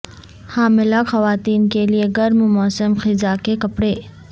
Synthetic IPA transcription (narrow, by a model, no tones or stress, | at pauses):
haːmɪlaxɐʋaːt̪iːnkelieɡɐɾmʊmɔːsəmxɪzakekɐpɽeː